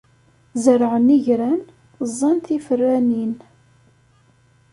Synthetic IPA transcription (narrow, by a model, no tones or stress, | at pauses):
zəɾʕəniʝɾæn | zˤːɑnθifərːænin